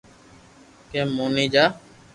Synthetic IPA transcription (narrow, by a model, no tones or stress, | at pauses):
keːmuːnĩːd͡ʒaː